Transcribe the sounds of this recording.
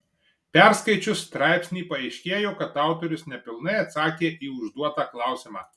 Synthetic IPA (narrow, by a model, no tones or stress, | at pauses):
pʲɛɾskɐɪt͡ʃʲʊsːt̪ɾɑˑɪpʲsʲnʲiːpɐɛɪʃʲkʲeːjoːkɐt̪ɑˑʊt̪ɔɾʲʊsnʲɛpʲɪlˠnɐɪɐt̪sɑːkʲeːʔiːʊʒd̪uɔt̪ɑːklˠɑˑʊsʲɪmɑ̰ː